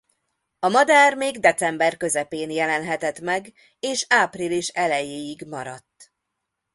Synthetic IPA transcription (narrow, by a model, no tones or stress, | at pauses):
ɒmɒd̪aːrmeːɡd̪ɛt̪sɛmbɛrkø̞zɛpeːnjɛlɛnɦɛt̪ɛt̪mɛɡ | eːʃaːpriliʃɛlɛjeːjiɡmɒɾɒt̪ː